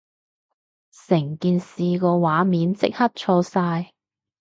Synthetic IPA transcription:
sɪ˨˩ŋkiː˧nsiː˨˧kɔː˧waː˨˥miː˨˥nt͡sɪ̰˥k̚hɐ˥t̚t͡ʃʰɔː˧saː˧j

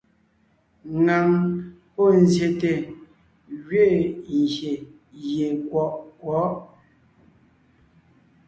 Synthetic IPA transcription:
ŋa˨ŋ | pɔ˦˨n˨zje˨te˨ | ɣɥe˦˨ŋ˨ɡje˨ | je˨kwɔ˨˦ʔkwɔ˨˦ʔ

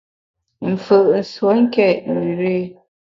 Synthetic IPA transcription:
m̩˨fə˨ʔn̩˨swo˦ŋ̩˦kɛ˦˨n˨i˨ɾe˦

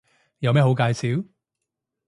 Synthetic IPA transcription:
jɐ˨˧wmɛː˥ho˨˧˥wkaː˧jsiː˨˥w

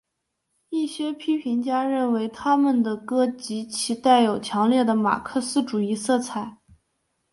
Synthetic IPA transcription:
i˥˩ɕɥɛ˥pʰi˥pʰi˧˥nt͡ɕja˥ɻə˥˩nwe˧˥ɪt̪ʰa˥mə˨nd̪ə˩kɤ˥t͡ɕi˧˥t͡ɕʰi˧˥t̪a˥˩ɪjo˨˩ʊt͡ɕʰjɑ˧˥ŋljɛ˥˩d̪ə˩ma̰˨˩kʰɤ˥˧sɹ̩˥ʈ͡ʂu˨˩i˥˧sɤ˥˩t͡sʰa˨˩˦ɪ

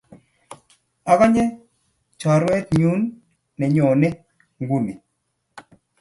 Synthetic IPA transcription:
a˨ka˦ɲɛ˦ | t͡ʃɔ˨ɾwɛ˦t̪̚ɲu˦nː | ɛ˨ɲo˨nɛ˦ | ŋɡu˦ni˨

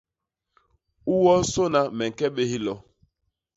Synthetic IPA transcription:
u˦wɔ˦so˦na˦mɛ˨ŋ̩˨kɛ˦ɓe˦hi˦lɔ˨

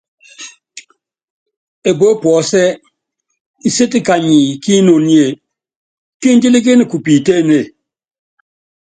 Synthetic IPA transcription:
e˨bo˦pwɔ˨˦sɛ˦ | i˨se˦ti˦ka˨ɲi˨ki˦no˨n˦e˨ | ki˦n˦d͡ʒi˦li˦k̬i˦ni˨ku˨pi˨te˦˨ne˨

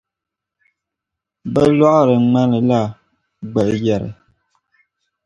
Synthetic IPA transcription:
bə˦lwa˦ʔɾə˨ŋ͡ma˦nə˨la˦˨ | ɡ͡bɛ˨ʔjɛ˦˨ɾə̰˨

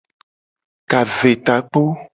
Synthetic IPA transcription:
ka˨ve˨t̪a˨k͡po˦

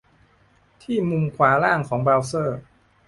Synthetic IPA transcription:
t̪ʰiː˥˩mu˧mkʰwaː˩˦ɾaː˥˩ŋkʰɔː˩˦ŋbɛː˧wsɤː˥˩

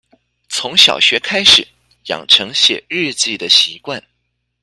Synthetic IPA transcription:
t͡sʰʊ˧˥ŋɕjɑ̰˨˩ʊɕɥɛ˧˥kʰa˥ɪʂɻ̩˨˩˦ | jɑ̰˨˩ŋʈ͡ʂʰɤ˧˥ŋɕjɛ̰˨˩ɻɻ̩˥˧t͡ɕi˥˩d̪ə˩ɕi˧˥kwa˥˩n

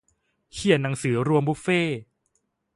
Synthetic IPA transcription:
kʰi˨˩ənna˩˦ŋsɯː˩˦ɾu˧əmbu˦˥feː˥˩

